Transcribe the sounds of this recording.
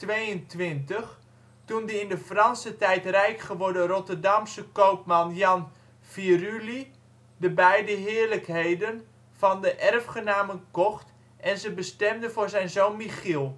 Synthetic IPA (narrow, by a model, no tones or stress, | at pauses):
tʋejəntʋɪntəχ | tundəɪndəfrɑnsətɛjtrɛjkχəʋɔɹdərɔtərdɑmsəkowpmɑnjɑn | firyli | dəbɛjdəɦɪːɹləkɦejdən | fɑndəʔɛrfχənaːmənkɔχt | ʔɛnzəbəstɛmdəvʊːɹzɛjnzownmiχilˠ